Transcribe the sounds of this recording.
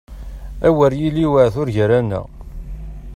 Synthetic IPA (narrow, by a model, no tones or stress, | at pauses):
æwəɾjiliwəʕθʊɾʝəɾænæ̰